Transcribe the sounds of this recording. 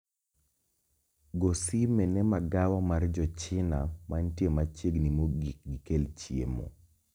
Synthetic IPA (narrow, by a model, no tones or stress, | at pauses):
ɡosimɛnɛmaɡawamard͡ʒɔt͡ʃɪna̰mantjemat͡ʃeɡnimoɡikelt͡ʃjḛmo̰